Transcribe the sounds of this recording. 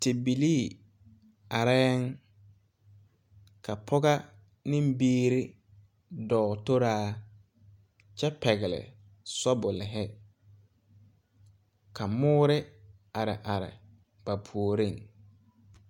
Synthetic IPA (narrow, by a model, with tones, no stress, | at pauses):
tɪ˨bi˨liː˦˨ | a˨ɾɛː˦ŋ | kʰa˨pʰɔ˦ɡa˦ | nɪ˦mbiː˦ɾɪ˦ | dɔː˨to˦ɾaː˦ | t͡ʃɛ˦pɛ˨ɣɪ˨lɪ̰˨ | sɔ˦bʊ˨lɪ˨ɦɛ˦ | kʰa˨mʊː˦ɾɪ˦ | a˨ɾɪ̰˨ʔa˨ɾɪ̰˨ | b̥a˨pʰu˨o˨ɾi˦˨ŋ